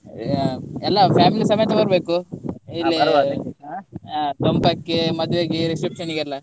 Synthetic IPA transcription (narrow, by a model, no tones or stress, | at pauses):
ɛlːɐpʰjaːmilisɐmɐjɐt̪ɐbɐɾbeːkuilːiat̪ompɐkːemɐd̪ʋejaːɡeɾisʈɾikʂɐniɡeɐlːɐ